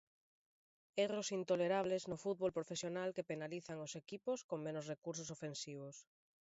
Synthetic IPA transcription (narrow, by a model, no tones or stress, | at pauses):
erosint̪oleɾaβ̞leznofut̪̚βolpɾofesjonalkepenaliθaŋosekipʊskoŋmẽnʊsrekuɾsosofensiβ̞ʊs